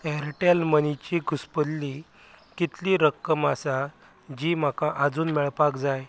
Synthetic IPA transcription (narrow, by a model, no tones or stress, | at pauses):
ɛɾʈjalmənit͡ɕiːɡuspəlːi | kit̪liːɾəkːəmasa | d͡ʑiːm̤akaʔəd͡zuːnmɛɭpakd͡zaj